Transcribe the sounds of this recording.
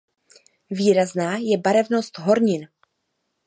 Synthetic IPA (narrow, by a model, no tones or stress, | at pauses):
viːɾaznaːjɛbaɾɛvno̞st̪ɦo̞ɾɲɪn